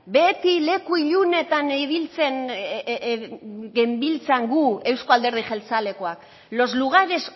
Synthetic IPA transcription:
be̞t̪ile̞kuiʎune̞t̪aniβilt͡se̞n | ɣe̞mbilt͡saŋɡue̞wskoald̪eɾð̞ixelt͡sale̞ko̞ak | lo̞zluɣ̞aɾe̞s

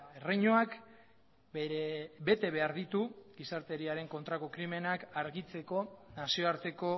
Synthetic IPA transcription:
e̞rejɲoak | be̞t̪e̞βe̞aɾðit̪uɡisaɾt̪e̞ɾiaɾe̞ŋko̞nt̪ɾako̞kɾime̞nakaɾɣit͡se̞ko̞nasio̞aɾt̪e̞ko̞

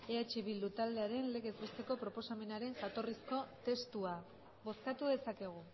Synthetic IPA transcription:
eat͡ʃiβild̪ut̪ald̪e̞aɾe̞nle̞ɣezβest̪e̞ko̞pɾo̞po̞same̞naɾe̞ŋʝat̪o̞risko̞t̪e̞st̪ua | βo̞skat̪uðe̞sake̞ɣ̞u

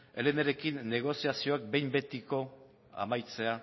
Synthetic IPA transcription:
eleneɾe̞kinːe̞ɣ̞o̞siasio̞ak̚be̞jmbe̞t̪iko̞ | a̰majt͡se̞a

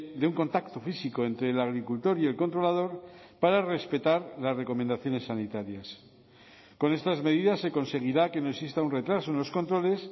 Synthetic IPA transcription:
d̪euŋko̞nt̪akt̪ofisiko̞ent̪ɾe̞ːlaɣ̞ɾikult̪o̞ɾie̞lkont̪ɾo̞lað̞o̞ɾ | paɾare̞spe̞t̪aɾlasre̞ko̞mẽnd̪aθjo̞ne̞sːanit̪aɾjas | ko̞ne̞st̪azme̞ð̞iðasːe̞ko̞nse̞ɣ̞iɾake̞no̞eksist̪aunre̞t̪ɾaso̞enlo̞sko̞nt̪ɾo̞le̞s

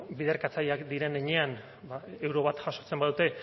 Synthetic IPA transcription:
biðe̞ɾkat͡saʎakd̪iɾe̞neɲe̞an | bae̞wɾo̞βat̪ʝaʃo̞t͡se̞mbaðut̪e̞

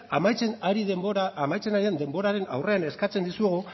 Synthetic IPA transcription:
amajt͡senaɾiðeboaamajt͡senaɾiðend̪e̞mbo̞ɾaɾe̞na̰wre̞ane̞skat͡se̞nd̪isueɣ̞u

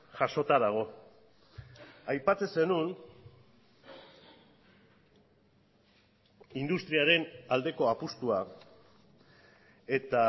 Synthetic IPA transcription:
ʝaʃo̞t̪aðaɣ̞o̞ | ajpat͡se̞se̞nun | ind̪ust̪ɾiaɾe̞nald̪e̞ko̞apust̪ua | e̞t̪a

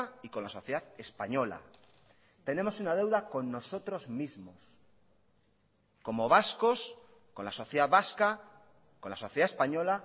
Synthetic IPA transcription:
iko̞nlaso̞θjeðaðe̞spaɲo̞la̰ | t̪e̞nẽ̞mo̞sunað̞ewðako̞nːo̞so̞t̪ɾo̞zmizmos | ko̞mo̞β̞askos | ko̞nlaso̞θjðaðβaska | ko̞nlaso̞θjeðaespaɲo̞la

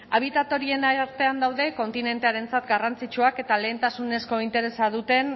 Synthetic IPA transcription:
aβ̞it̪at̪o̞ɾie̞naaɾt̪e̞and̪awðe̞ko̞nt̪ine̞nt̪e̞aɾe̞nt͡sat̪ɡarant͡sit͡ʃuake̞t̪ale̞ːnt̪asune̞sko̞int̪e̞ɾe̞saðut̪e̞n

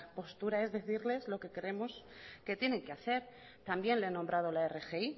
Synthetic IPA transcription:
po̞st̪uɾae̞zðe̞θiɾle̞zlo̞ke̞keɾe̞moske̞t̪je̞ne̞ŋkeaθe̞ɾ | t̪ambje̞nleenombɾʔað̞olaere̞xei

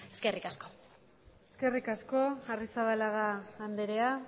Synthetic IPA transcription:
eskerikasko | eske̞rikasko̞arisaβalaɣaːnd̪eɾea

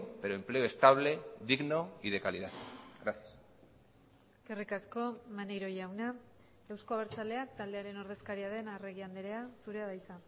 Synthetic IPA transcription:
peɾo̞emple̞o̞e̞st̪aβle̞ðiɣno̞iðe̞kaliðaðɣɾasias | eskerikasko̞manejɾo̞jawna | ewsko̞aβɾt͡sale̞ak̚t̪ald̪e̞aɾe̞no̞ɾðe̞skaɾiaðe̞nare̞ɣ̞iand̪eɾe̞asuɾe̞aðajt͡sa

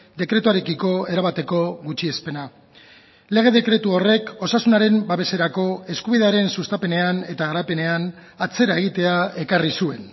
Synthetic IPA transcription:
d̪e̞kɾe̞t̪uaɾe̞kiko̞e̞ɾaβat̪e̞ko̞ɣut͡ʃie̞spe̞na | le̞ɣ̞e̞ð̞e̞kɾe̞t̪uo̞re̞ko̞sasunaɾe̞mbaβe̞se̞ɾako̞e̞skuβ̞iðe̞aɾe̞nsust̪ape̞ne̞ane̞t̪aɣaɾape̞ne̞an | at͡se̞ɾae̞ɣ̞it̪e̞ae̞karisue̞n

